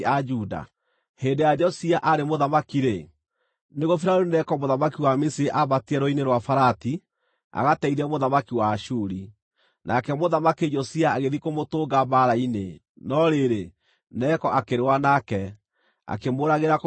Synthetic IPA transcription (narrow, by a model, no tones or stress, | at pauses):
ad͡ʒuda̰ | heːndejad͡ʒɔsiaʔaɾemoðamakiɾe | neɣofiɾaɾunɛkɔmoðamakiwamesiɾeʔaβatiɛɾoineɾwafaɾati | a̰ɣatɛiɾɛmoðamakiwaʃuɾi | nʔa̰kɛmoðamaked͡ʒɔsiaːɣeðikomotoːɡabaɾaine | nɔɾeɾe | nɛkɔʔakeɾewanakɛ | a̰kemoːɾaɣeɾak